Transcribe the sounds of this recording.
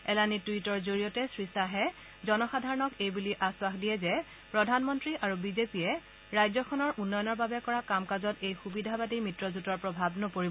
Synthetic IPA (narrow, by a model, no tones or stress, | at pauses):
ɛlanituitɔɹzoɹijɔtɛsɹisaɦɛ | zɔnɔxadʱaɹɔnɔkejbuliʔaswaxdijɛzɛ | pɹɔdʱanmɔntɹiʔaɹubizepijɛ | ɹajzɔkʰɔnɔɹʔunːɔjɔnɔɹbabɛkɔɹakamkazɔtejxubidʱabatimitɹɔzutɔɹpɹɔbʱabnɔpoɹibɔ